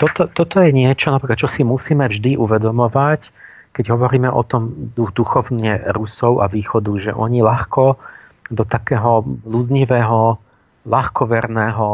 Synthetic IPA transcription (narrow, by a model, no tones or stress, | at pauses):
t̪ɔt̪ɔt̪ɔt̪ɔjɛɲɪɛt͡ʃɔnapɾiːkat̪̚t͡ʃɔsimusiːmɛvʒd̪iʔuʋɛd̪ɔmɔʋac | kɛɟɦɔʋɔɾiːmɛʔɔ̰t̪ɔmd̪ud̪uxɔʊɲɛɾusɔʊʔaʋiːxɔd̪uʒɛ̰ʔɔɲilaxkɔ | d̪ɔt̪akɛːɦɔlud͡zɲiʋɛːɦɔ | laxkɔʋɛɾnɛːɦɔ